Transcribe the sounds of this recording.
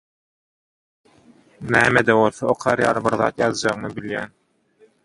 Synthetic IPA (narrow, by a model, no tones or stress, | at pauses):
næːmed̪æwolθɑoqʰɑɾjɑ̰ːɾɯbiɾðɑ̰ːt̪jɑðd͡ʒɑʁnɯbiljæ̰ːn